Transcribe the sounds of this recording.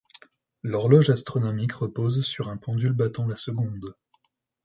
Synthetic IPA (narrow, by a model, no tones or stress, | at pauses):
lɔʁlɔʒast̪χɔnɔmikʁəpozsyʁɛ̃pɑ̃d̪ylbat̪ɑ̃lasəɡɔ̃d̪